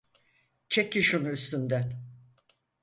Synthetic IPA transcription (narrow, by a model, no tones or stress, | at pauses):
t͡ʃʰekiʃunuyst̪ynd̪æn